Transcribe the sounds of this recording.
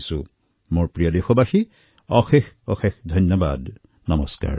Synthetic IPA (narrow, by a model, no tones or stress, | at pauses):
sʊ | moɹpɹijɔdexɔbaxi | ɔxexɔxexdʱɔnjɔba̰d | nɔmɔska̰ɹ